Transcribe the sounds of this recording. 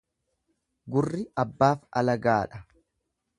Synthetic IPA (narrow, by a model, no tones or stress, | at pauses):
ɡʊrːɪɐbːaːfɐlɐɡaːᶑɐ